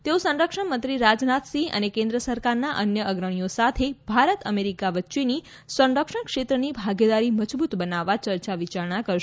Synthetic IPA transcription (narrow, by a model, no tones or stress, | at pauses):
t̪eosə̃nɾəkʃəɳmə̃nt̪ɾiɾad͡ʒnat̪sĩʔə̰nekẽnd̪ɾəsəɾkaɾnaʔənjəəɡɾəɳ̃ijosat̪ʰebʱaɾət̪əmeɾikaʋətːʃeni | sə̃nɖəkʃəɳkʃet̪ɾənibʱaɡed̪aɾiməd͡ʒbut̪bənaʋːat͡ʃəɾt͡ʃaʋit͡ʃaɾɳakəɾʃ